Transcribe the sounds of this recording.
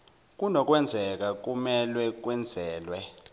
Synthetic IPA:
k̬unɔk̬ʼwɛnd͡zʱɛk̬ak̬umɛlwɛk̬wɛnd͡zʱɛːlwɛ

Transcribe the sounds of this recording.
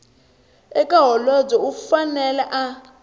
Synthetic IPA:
ɛkʼaɦɔlɔd͡zɔufanɛlɛʔa

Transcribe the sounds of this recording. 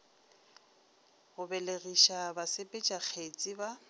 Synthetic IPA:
ɣʊbɛleɣiʃabasepʼet͡ʃʼak͡xʰet͡sʼiba

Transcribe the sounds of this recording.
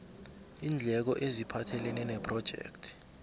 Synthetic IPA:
iːnd͡ɮʱɛk̬ɔʔezipʰatʰɛlɛnɛnɛpʰrɔd̥ʒ̥ʱɛ̰ktʰi̥

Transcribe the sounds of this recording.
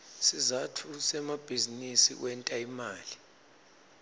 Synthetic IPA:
sizatʰusɛmab̥ʱizinisḭwʔɛntʼaimaːli

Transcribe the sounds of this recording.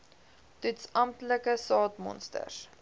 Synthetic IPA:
tytsɐmtləkəsɑːtmɔ̰nstə̰r

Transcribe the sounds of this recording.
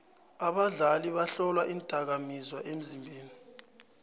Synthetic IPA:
aɓaɮaliɓaɬɔlwaʔintʼak̬amizwaʔem̩zimbʱeːni

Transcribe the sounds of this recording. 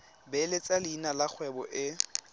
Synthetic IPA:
bɛlet͡sʼalɪinalak͡xʰwɛbɔ̰ʔɪ

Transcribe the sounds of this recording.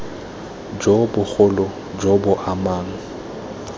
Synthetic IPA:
d͡ʒobʊk͡xʰʊlɔ | d͡ʒɔbʊʔamaːŋ̩

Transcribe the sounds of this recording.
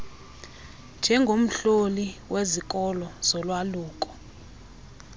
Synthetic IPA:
nd͡ʒʱɛŋɡʱom̩ɬoliwʔezikʼɔlɔz̥ɔlwaluːk̬ʼɔ̥

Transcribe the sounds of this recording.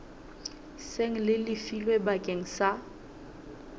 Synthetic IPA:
seŋ̩lɪlɪfilwebakʼeŋ̩sa

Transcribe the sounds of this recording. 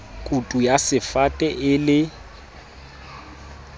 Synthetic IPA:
kʼutʼujasɪfatʼɛʔɪlɪ

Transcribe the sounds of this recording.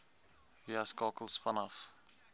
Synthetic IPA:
iaskɑːkəl̩ˠsfɐnɐf

